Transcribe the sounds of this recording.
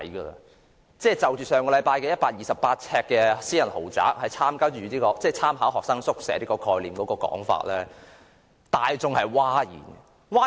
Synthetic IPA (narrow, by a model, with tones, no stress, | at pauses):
jɡə̰˧ | t͡sɛː˥˩t͡sɐ˨wt͡ʃyː˨˩sœː˨ŋkɔː˧lɐ˨˧jpaː˧jkɛ˧jɐ˥t̚paː˧k̚jiː˨sɐ˨pːaː˧t̚t͡sʰɛː˧kːɛː˧siː˥jɐ˨˩nho˨˩wt͡sa̰ː˨˥k̚hɐ˨jt͡sʰaː˥mkaː˥t͡ʃyː˨˧liː˥kɔː˧t͡sɛː˧˩t͡sʰaː˥mɦaː˨˥wɦɔː˨k̚sɐː˥ŋsʊ˥k̚sɛ̰ː˨˥liː˥kɔː˧kʰɔː˧jliː˨˩mkɔː˨˧˥kɔː˧kɔ̰ː˨˥ŋfa̰ː˧t̚lɛː˥ | t̪aː˨jt͡sʊ˨ŋhɐ˨jwaː˥jḭː˨˩n˧ | waː˥